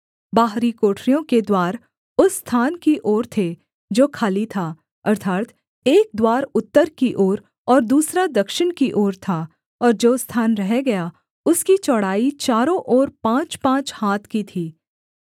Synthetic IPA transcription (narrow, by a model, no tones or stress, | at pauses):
baːɦɾikoːʈʰɾijõked̪waːɾ | ʊsːt̪ʰaːnkiʔoːɾt̪ʰe | d͡ʒoːkʰaːlit̪ʰaː | ɐɾt̪ʰaːt̪ | eːk̚d̪waːɾʊt̪ːəɾkiʔoːɾ | ɔːɾd̪uːsɾad̪ɐkʃɪnkiʔoːɾt̪ʰa | ɔːɾd͡ʒoːst̪ʰaːnɾɐɦeɡɐja | ʊskit͡ʃɔɽaːit͡ʃaːɾõʔɔːɾpãːt͡ʃpãːt͡ʃhaːt̪ʰkit̪ʰiː